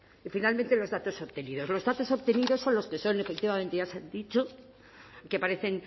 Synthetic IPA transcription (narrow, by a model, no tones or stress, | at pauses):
ifinalmẽnt̪e̞lo̞zðat̪o̞soβt̪e̞niðo̞zlo̞zðat̪o̞so̞βt̪e̞niðo̞sːo̞nlo̞skeso̞ne̞fek̚t̪iβament̪eʝasand̪it͡ʃo̞ | kepaɾe̞θe̞ŋ